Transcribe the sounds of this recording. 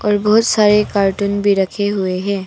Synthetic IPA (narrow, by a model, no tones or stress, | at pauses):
ɔːɾbɐɦʊt̪saːɾekaːɾʈunbʱiɾɐkʰeɦʊeɦɛ̃ː